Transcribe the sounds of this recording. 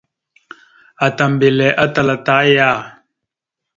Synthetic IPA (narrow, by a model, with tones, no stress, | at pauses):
a˨ta˨m˨be˨lɛ˨˦ʔa˦ta˨la˨ta˨˦ja˦˨